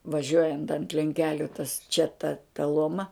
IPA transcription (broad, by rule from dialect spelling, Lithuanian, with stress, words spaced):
ʋɐˈʒʲuɔjɛnt ɐnt lʲɛŋʲˈkʲæːlʲʊ tɐs t͡ʃʲɛ tɐ tɐ ˈlˠoːmɐ